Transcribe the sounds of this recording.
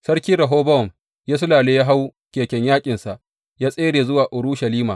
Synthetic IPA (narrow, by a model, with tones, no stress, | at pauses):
sɐ˦rkʲiː˦ɾɐ˨ɦoː˦bɐ˦ɔ˨m | jaː˦s̬ʊ˦laː˨leː˦jaː˦ɦa˦wkʲeː˨kʲɛ˦ɲjaː˦kʲʼɪ˨nsa˨ʔ | jaː˦sʼeː˦ɽeː˨zʊ˦waː˨ʔʊ˨ɾu˦ʃɐ˨liː˦maː˨